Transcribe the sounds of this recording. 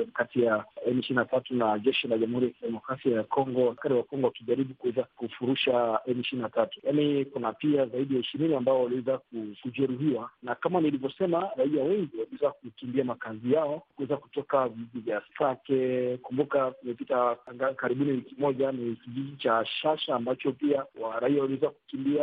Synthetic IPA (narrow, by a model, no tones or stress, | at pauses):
katijaɛmiʃininatatunaʄɛʃilaʄamuhuɾijakiɗɛmɔkɾasiajakɔŋɡɔwakaɾiwakɔŋɡɔwakiʄaɾiɓukuwɛzakufuɾuʃaɛmiʃininatatu̥janikunapiazaiɗijaiʃiɾiniambaɔwaliwɛzak̚ukuʄɛɾuɦiwanakamanilivjɔsɛmaɾaiawɛŋɡiwaliwɛzak̚ukimbiamakazijaɔkuwɛzaku̥tɔkaviʄivjassakɛkumbukakumɛpitaŋɡakaɾiɓuniwikimɔʄanikiʄiʄit͡ʃaʃaʃaːmbat͡ʃɔpiawaɾaiawaliwɛzakukimbia